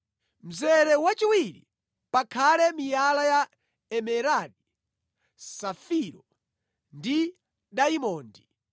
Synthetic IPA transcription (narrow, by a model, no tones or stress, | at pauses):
m̩zɛɾɛwat͡ʃiwiɾḭ | pakʰalɛmijalaja | ɛmɛɾadi | safiɾɔ | ndi | ɗaimɔːndi